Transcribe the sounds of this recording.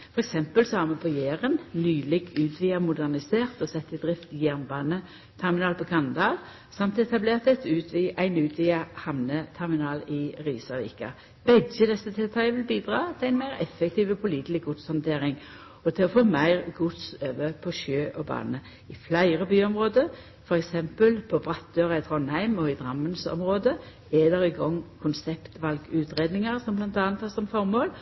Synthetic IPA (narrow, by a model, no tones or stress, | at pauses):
fɔʁɛksɛmpəlsɔhɑʁmɛpʰɔjeːʁənnyːlɪɡʉːt̪ʰʋiːɑmʊd̪æʁnɪseːʁt̪ɔsɛt̪ːɪd̪ʁɪft̪jæʁnbɑːnə | t̪ʰɛʁmɪnɑːlpʰɔkʰɑnd̪ɑl | sɑmt̪ɛt̪ɑbleːʁt̪ɛt̪ʉːt̪ʰʋiːʔæɪnʉːt̪ʰʋiːɑhɑmnət̪ʰɛʁmɪnɑːlɪʁiːsɑʋḭːkɑ̰ | b̥ɛdjəd̪ɛsːət̪ʰɛlt̪ʰɑəʋɪlbiːd̪ʁɑːt̪ʰɪlæɪnmæɪʁɛ̰fːɛkt̪ʰiːʋɔpʰʊliːt̪lɪɡ̚ɡʊt̪shɑnt̪ʰeːʁɪŋ | ɔt̪ʰɪlɔfoːmæɪʁɡʊt̪søːʋəpʰɔʃøːʔɔbɑ̰ːnə | ɪflæɪɾəbyːɔmʁoːd̪ə | fɔɾɛksɛmpəlpʰɔbɾɑt̪̚d̪øːʁɑɪt̪ʰɾɔnhæɪmɔɪd̪ʁɑmːənsɔ̰mʁoːd̪ə | ɛd̪ɛɾɪɡɔŋːkʰʊnsɛpt̪ʋɑlɡʉːt̪ʁeːd̪nɪŋəʁsɔmblɑnt̪ɑːnt̪ʰɑsɔmfɔʁmoːl